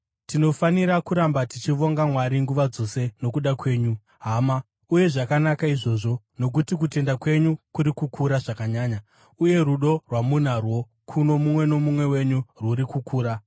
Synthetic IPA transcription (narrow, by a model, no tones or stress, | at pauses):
tino̞faniɾakuɾambatit͡ʃiʋo̞ŋɡamwaɾiŋɡuʋad͡zo̞se̞no̞kuɗakwe̞ːɲu | ɦaːma | uje̞ʐakanakaiʐo̞ʐo̞ | no̞k̬utik̬ute̞ndakwe̞ɲukuɾikukuɾaʐakaɲaːɲa | uje̞ruɗo̞rwamun̤arwo̞ | kʰuno̞mumwe̞no̞mumwe̞we̞ɲurwuɾikukʰuːɾa